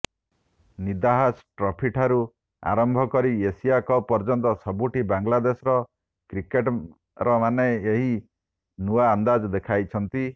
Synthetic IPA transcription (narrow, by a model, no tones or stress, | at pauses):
nid̪aɦasʈɾɔpʰiʈʰaɾu | a̰ɾɔmbʱɔkɔɾiesijakɔpɔɾd͡ʒɔnt̪ɔsɔbuʈibaŋlad̪esɾɔ | kɾikeʈ | ɾɔmaneeɦi | nuaːnd̪ad͡ʒɔd̪ekʰajt͡ʃʰɔnt̪i